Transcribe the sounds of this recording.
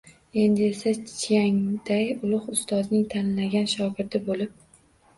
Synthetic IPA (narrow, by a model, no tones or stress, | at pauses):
e̞nd̪ɪe̞sat͡ʃt͡ʃʰjaŋd̪̥ajʊlˠʊχʊst̪ɒznɪŋt̪ʰanllaɡʲanʃɒɡʲɪɾd̪ɪbolɪp̚